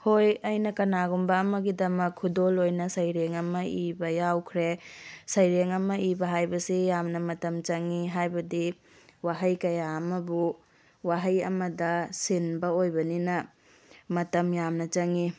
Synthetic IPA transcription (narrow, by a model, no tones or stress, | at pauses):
hojɐjnɐkɐnaɡumbɐːmɐɡidɐmɐkʰːudolojnɐsɐjɾeŋɐmɐibɐjawkʰɾesɐjɾeŋɐmɐibɐɦajbɐsijamnɐmɐtɐmt͡ʃɐŋiɦajbɐdi | waɦɐjkɐjaɐmɐbu | waɦɐjɐ̰mɐdɐsinbɐojbɐninɐ | mɐtɐmjamnɐt͡ʃɐŋi